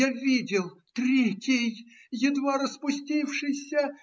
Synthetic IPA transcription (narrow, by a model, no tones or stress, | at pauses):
avʲidʲɪlˠt̪ɾʲekʲɪj | jɪd̪vaɾəspʊsʲtʲifʂɨsʲə